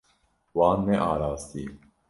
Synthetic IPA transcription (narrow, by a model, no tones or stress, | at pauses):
wɑːnːeʔɑːɾaːst̪iː